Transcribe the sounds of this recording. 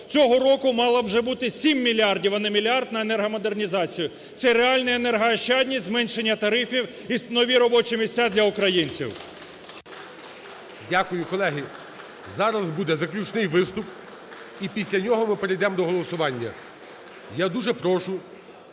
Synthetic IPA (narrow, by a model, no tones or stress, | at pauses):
t͡sʲɔɦɔɾɔkʊmɑlˠɐwʒɛbut̪ɪsʲimːʲilʲiɑrdʲiwɐnɐmʲilʲiɑrd̪nɐenɛrɦɐmɔd̪ernʲizɑt͡sʲijʊ | t̪sɛɾeɑlʲnɛenɛrɦɐɐʃt͡ʃɑd̪ʲnʲizmɛnʲʃenʲːɐt̪ɐɾɪfʲiw | isnɔʋʲiɾɔbɔt͡ʃimʲisʲtʲad̪lʲɐʊkɾɐjinʲt͡sʲḭw | dʲakʊjʊkɔlˠɛɦɪ | zɑɾɐzbud̪ɛzɐklʲut͡ʃnɪjʋɪst̪ʊp | ipʲisʲlʲɐnʲɔɦɔmɪpeɾejd̪ɛmd̪ɔɦɔlˠɔsʊʋɑnʲːɐ̰ | jad̪uʒɛpɾɔʃʊ